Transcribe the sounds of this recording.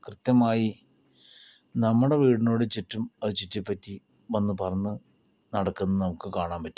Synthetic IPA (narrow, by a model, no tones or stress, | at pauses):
krɨt̪jɐmaːji | nɐmːuɽe̞ʋiːɽinoːɽet͡ɕitːumɐðut͡ɕitːipːɐtːi | ʋɐnːupɐrɐɲːɨ | nɐɽɐkːunːnɐmukːɨkaːɳaːmpɐtːu̥m